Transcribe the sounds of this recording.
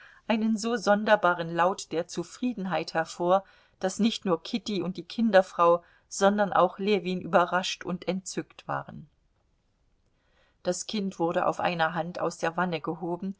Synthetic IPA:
ʔaɪnənzoːzɔndɐbaːʁənlaʊtd̥eːɐt͡sufʁ̥iːdn̩ɦaɪthɛɐfoːɐ | d̥asnɪçtnuːɐkʰɪtiʊnt̚d̥iːkʰɪndɐfʁ̥aʊ | z̥ɔndɐnʔa̰ʊxlɛːviːnʔy̰ːbɐʁaʃtʊntɛnt̚t͡sʏktv̥a̰ːʁən | d̥askʰɪntv̥ʊɐɾəʔa̰ʊfʔa̰ɪnɐɦanta̰ʊsd̥eːɐvanəɡəɦoːbm̩

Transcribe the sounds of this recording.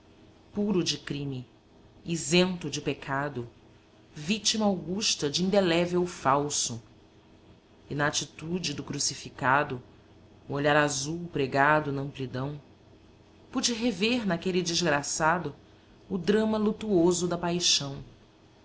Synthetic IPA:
puɾʊd͡ʒɪkɾĩmi | izẽnt̪ʊd͡ʒɪpekʰad̪ʊ | vit͡ʃimɐawɡuʃt̪ɐd͡ʒɪĩnd̪elɛvewfawsʊ | ɪnaːt͡ʃit̪ud͡ʒɪd̪ʊkɾusifikad̪ʊː | oʎaɾazuwpɾeɡad̪ʊnɐɐ̃mplid̪ɐ̃w̃ | pud͡ʒɪɦeveɾnakelid͡ʒiʒɡɾasad̪ʊ | ʊd̪ɾɐ̃mɐlut̪uozʊd̪ɐpajʃɐ̃w̃

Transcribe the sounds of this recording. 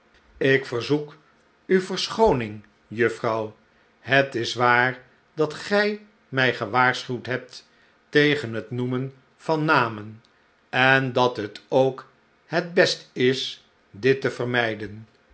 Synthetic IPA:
ɪkfəɹzuk | ywvəɹsχownɪŋ | jɵfrɑw | ɦətɪsʋaːɹ | dɑtχɛj | mɛjχəʋaːɹsχywtɦɛp̚t | tejχənɦətnumən | v̥ɑnːaːmən | ɛndɑtɦətʰowk | ɦəd̚bɛstɪs | dɪtəvərmɛjdən

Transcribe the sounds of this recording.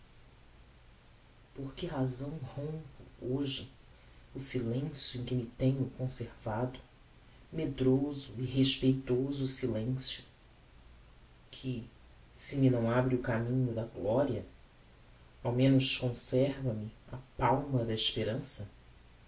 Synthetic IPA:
poɾkɪɦazɐ̃w̃hõmpʊoʒɪ | ʊsilẽsjuẽkɪmɪt̪ẽɲʊkõseɾvad̪ʊ | med̪ɾozʊiɦeʃpejt̪ozʊsilẽsjʊ | kʰɪ | sɪmɪnɐ̃w̃abɾiʊkamĩɲʊd̪ɐɡlɔɾiɐ | awmẽnʊʃkõsɛɾvɐmɪa̰pawmɐd̪ɐɪʃpeɾɐ̃sɐ

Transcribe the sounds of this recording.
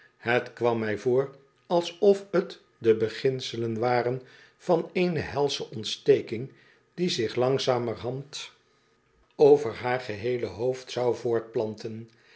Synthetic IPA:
hətkʋɑmːɛjvʊːɹ | ɑlˠsɔfət | dəbəχɪnsələnʋaːrən | v̥ɑnejnəɦɛlˠsəʔɔntstejkɪŋ | d̥izɪχlɑŋsaːməɹɦɑnt | owvəɹɦaːɹχəɦejləɦowftsɑwvʊːɹt̚plɑntʰən

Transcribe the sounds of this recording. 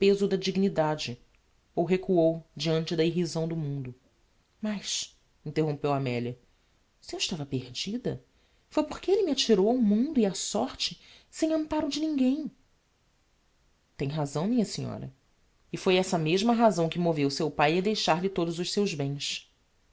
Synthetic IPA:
pezʊd̪ɐd͡ʒiɡnid̪ad͡ʒɪ | owɦekuowd͡ʒiɐ̃nt͡ʃɪd̪ɐiɦizɐ̃w̃d̪ʊmũnd̪ʊ | mɐs | ĩnt̪eɦõpewamɛljɐ | siewɪʃt̪avɐpeɦd͡ʒid̪ɐ̰ | fojpoɾkɪelɪmɪat͡ʃiɾowɐwmũnd̪ʊiasɔɾt͡ʃɪ | sẽj̃ɐ̃mpaɾʊd͡ʒɪnĩŋɡẽj̃ | t̪ẽj̃ɦazɐ̃w̃mĩɲɐsiɲɔ̰ɾɐ̰ | ɪfojɛsɐmeʒmɐɦazɐ̃w̃kɪmovewsewpajɛd̪ejʃaɾlɪt̪od̪ʊzʊʃsewʒbẽj̃s

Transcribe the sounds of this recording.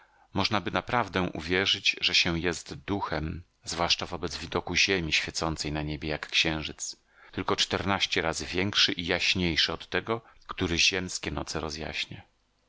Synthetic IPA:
mɔʐnabɘnapɾavd̪ɛ̃ʔṵvʲjɛʐɘd͡ʑʐɛɕɛjɛst̪d̪uxɛm | zvwaʂt͡ʂavɔbɛt̪d̪zvʲid̪ɔkuʑemʲiɕfʲjɛt̪sɔnt̪sɛjnaɲebʲjɛjakːɕɛ̃w̃ʐɘt̪s | t̪ɘlkɔt͡ʂt̪ɛɾnaɕt͡ɕɛɾazɘvʲjɛŋkʂɘʔijaɕɲejʂɘɔt̪ːɛɡɔ | kt̪uɾɘʑɛmskʲɛnɔ̰t̪sɛɾɔzja̰ɕɲa

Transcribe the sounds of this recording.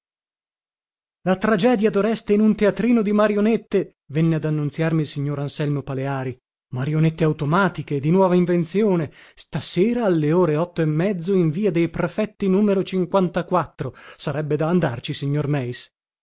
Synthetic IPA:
lat̪ɾad͡ʒɛːd̪jad̪oɾɛst̪einunt̪eat̪ɾiːnod̪imaɾjonet̪ːe | vɛnːead̪anːunt̪sjarmilsiɲːoɾansɛlmopaleaːɾi | maɾjonet̪ːeawt̪omaːt̪iked̪inwɔːvaiɱvent̪sjoːnest̪aseːɾaːlːeoːɾeɔt̪ːoemːɛd̪zːoiɱviːad̪ejpɾefɛt̪ːinuːmeɾot͡ʃiŋkwant̪akwat̪ːɾosaɾɛbːed̪aːnd̪art͡ʃisiɲːormɛjs

